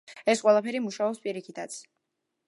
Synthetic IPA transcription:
ɛsqʼwɛlˠapʰɛɾimuʃaɔpspʼiɾikʰit̪ʰat̪sʰ

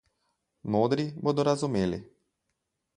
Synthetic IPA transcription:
moːd̪ɾibod̪oɾazumeːlḭ

